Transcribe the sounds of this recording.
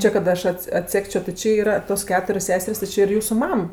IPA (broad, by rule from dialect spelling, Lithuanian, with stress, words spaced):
ˈt͡ʃʲɪ kɐt ˈɐʃ ˈɐts ɐtʲˈsʲæːkt͡ʃʲoː tʲɪ ˈt͡ʃʲɪ iːˈrɐ toːs ˈkʲæːtʊrʲoːs ˈsʲæːsʲɛrʲsʲ tʲɪ ˈt͡ʃʲɪ ɪr ˈjuːsʊ ˈmɐm